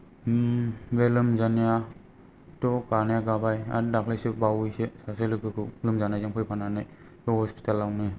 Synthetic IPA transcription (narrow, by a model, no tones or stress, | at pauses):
belɯmzanija | tɔkanajaɡabaja̰daklajsɯbawɯjsesaselɯkʰɯkʰɯlɯmzanajzaŋpʰɯjpʰananɯj | tɔhɔspi̥talawnɯj